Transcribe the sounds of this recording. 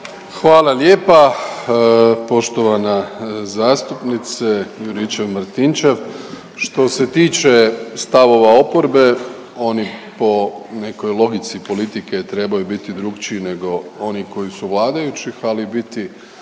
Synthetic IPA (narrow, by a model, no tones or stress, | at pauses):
xʋaːlˠalje̞ːpa | po̞ʃt̪o̞ʋanazaːst̪upnit̪sejuɾit͡ʃeʋmɾt̪int͡ʃe̞ʋ | ʃt̪o̞se̞t̪iːt͡ʃe̞st̪aʋo̞ʋao̞po̞ɾbe̞ | o̞nipo̞ne̞ko̞jlˠo̞ɡit̪sipo̞lit̪iket̪ɾe̞bajubit̪id̪ɾuɡt͡ʃiːne̞ɡo̞o̞niko̞jisuʋlˠaːd̪ajut͡ɕixalibit̪i